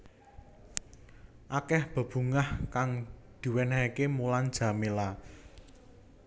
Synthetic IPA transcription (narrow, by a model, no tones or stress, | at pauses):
ʔakɛhb̥ə̤b̥ṳŋahkaŋd̪̥i̤wɛnaikemuland̥d͡ʒ̥ä̤mela